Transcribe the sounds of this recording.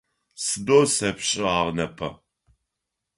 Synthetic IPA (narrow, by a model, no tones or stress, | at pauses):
sɨdoːsɐpɕʼɪaːʁnɐpʰɐ